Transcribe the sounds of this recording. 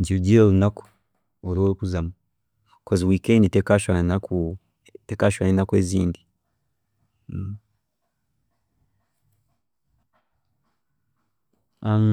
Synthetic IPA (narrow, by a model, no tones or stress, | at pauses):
ɲd͡ʒiluɟiɾolunako̥ | oɾoukuzama | koziwiːkenditekaʃanakʰu | tekaʃaninakweziːndi | a